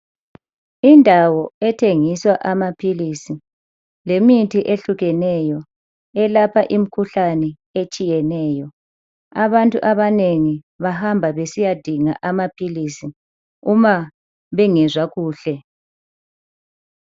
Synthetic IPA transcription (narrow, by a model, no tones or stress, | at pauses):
indʱawɔɛtʰeŋiswaʔamapʰilisi | lemitʰiʔeɬuɣɛnɛjɔ | ɛlapʰaʔim̩kʰuɬanɛ | et͡ʃʼijɛnɛːjɔ | aβantʼṵʔaβaneŋi | βahambʱaβesijad̥ʱiŋaʔamapʰilisi | uma | βɛŋɛzwaɣuːɬɛ